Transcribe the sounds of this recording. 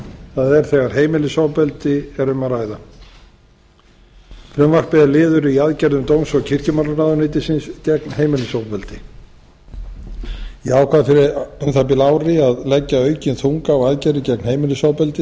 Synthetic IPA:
θaðɛɾ̥θɛːɣaɾ̥ɦeːjmɪlɪsaːwpɛlt̪ɪɛɾʏmaɾaːjða | fɾʏmvar̥pɪðalɪːðʏɾiaðcɛɾðʏmt̪ownsɔɣcʰɪr̥cɪmalanaːðʏnɪːt̪ɪsɪnscɛknɦejmɪlɪsaːwpɛlt̪ɪ | iaːwkʰvaːðafɪɾɪpɛnθap̬ɪlaːwɾɪaðlɛcːaœːɥcɪnθuŋkaawɣaðcɛɾðɪcɛk̚nheːjmɪlɪsaːwpɛlt̪ɪ

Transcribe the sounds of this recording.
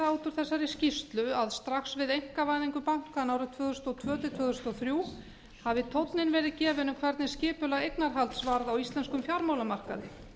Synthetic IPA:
aːwt̪ʏɾ̥θɛsːaɾɪscist̪lʏaðst̪ɾaxsvɪðejŋ̥kavajðiŋkʏpawŋ̥kanawɾʏt̪ʰv̥œːɣθʏsnɔt̪ʰvœːt̪ʏt̪ʰvœːɣθʏsnɔθɾjuː | havɪt̪ʰowt̪nɪnvɛːɾɪðcɛːvʏnʏmkʰvɛɾt̪nɪ̥scɪːpʏlaejknaɾ̥ɦalt̪svaɾðawist̪lɛnskʏmfjaɾmawlamar̥kaðɪ̰

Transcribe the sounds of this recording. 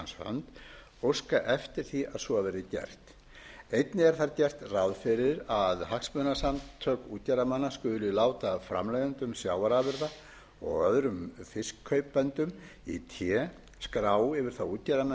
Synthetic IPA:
nshœ̰nt̪ | owskaʔɛft̪ɪɾ̥θiaðsɔavɛɾðɪcɛ̰r̥t̪ | ejt̪nɪɛɾ̥θaɾcɛr̥t̪raðfɪɾɪɾaðhaksmœnasamt̪ʰːœːkuːt̪caɾamanːaskʏːlʏlaːwt̪afɾa̰mlɛjɣant̪ʏmsja̰ːwaɾavʏɾða | ɔ̰ɣœðɾʏmfɪskʰːœɥpːɛnt̪ʏm | ḭt̪ʰjɛː | skɾaːwɪvɪɾ̥θawuːt̪̚caɾamɛ

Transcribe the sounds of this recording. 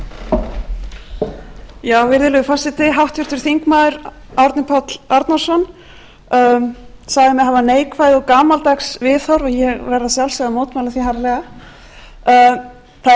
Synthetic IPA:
jaːwvɪɾðɪlʏɣʏfasɪt̪ɪɦawht̪vɪɾt̪ʏɾ̥θiŋkmaːðʏɾ | awɾt̪nɪpʰat̪l̥aɾt̪naɾ̥sɔnː | saɣðɪmɛðɦavaneːjkvajðɪɔɣkaːmalt̪aksvɪðθawɾɔɣjɛɣvɛɾðasjalsaɣðamoːwt̪malaθiɦaɾlɛɣa | θa

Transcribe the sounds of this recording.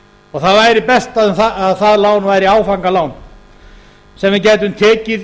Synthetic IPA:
ɔɣθaðvajɾɪpɛst̪aðɛnθaːðθaðlaːwnvaːjɾiaːwfaŋkalaːwn | sɛmvɪcɛːjt̪ʏmt̪ʰɛːcɪð

